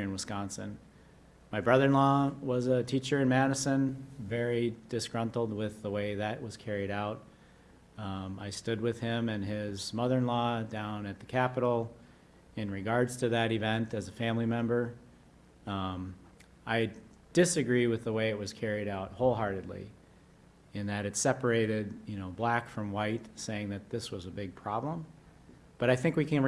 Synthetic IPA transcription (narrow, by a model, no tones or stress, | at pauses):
ɨ̃nwəskɑ̃nsɨ̃n | maɪbɹʌðə̃˞nlɔwʌzətʰit͡ʃə˞ɨ̃nmæɾɨsɨ̃nvɛɹid̥ɨsɡ̥ɹʌ̃ntl̩ˠd̚wɪðəweɪðɨʔ̚wʌz̥kʰɛɹiɾaʊt̚ | aɪstʊd̚wɪð̥ɪ̃mɨ̃nɪzmʌðə̃˞nlɔdãʊ̃nɨt̪̚ðɨkʰæpəɾl̩ˠ | ɨ̃nɹɨɡɑɹdz̥tʰɨðɨɾɨvɛ̃ntɨzɨfæ̃mlimɛ̃mbə˞ | aɪ | d̥ɪsɨɡɹiwɨðəweɪɨt̚wʌz̥kʰɛɹiɾaʊt̚hoʊlˠɦɑɹɾɨdˡlḭ | ɨ̃nðɨɾɨtsɛpə˞eɪɾɪdjɨnoʊblækfɹʌ̃mwaɪtseɪɪ̃ŋðɨt̪̚ðɪswʌzɨbɪɡ̚pʰɹ̥ɑblə̃m | b̥ʌɾaɪθɪ̃ŋkwikʰɨ̃n